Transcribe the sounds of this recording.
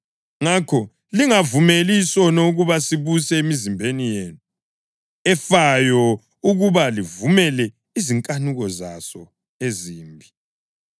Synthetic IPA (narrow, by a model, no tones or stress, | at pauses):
ŋakʰɔ | liŋavumelisɔnoɣuβasiβusɛemizimbʱenijeːnu | ɛfajɔ | uɣuβalivumɛlɛ | iziŋkʼanuɣɔzasɔ | eziːmbʱi